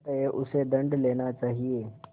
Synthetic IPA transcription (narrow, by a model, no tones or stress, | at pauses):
t̪eʔʊsed̪əɳɖlenat͡ɕaːɦie